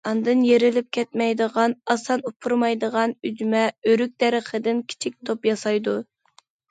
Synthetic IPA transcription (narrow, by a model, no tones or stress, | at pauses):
ɑnd̪ɨnjeɾɪlɪp̚kʲʰɛt̪mɛjd̪əʁɑnɑsɑnupʰuɾmɑjd̪əʁɑnyd͡ʒymɛøɾyk̚ʲd̪̥ɛɾəχəd̪ɪnkʲʰi̥t͡ʃʰik̚ʲt̪ʰopjɑsɑjd̪u